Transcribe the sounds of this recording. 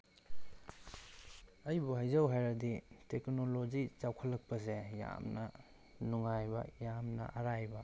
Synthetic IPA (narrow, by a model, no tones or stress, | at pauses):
ɐjbuɦajzɐwɦajɾɐditeknolod͡ʒit͡ʃawkʰɐlːɐk̚pɐzeja̰mnɐ | nuŋajbɐ̰jamnɐ̰ʔɐɾajbɐ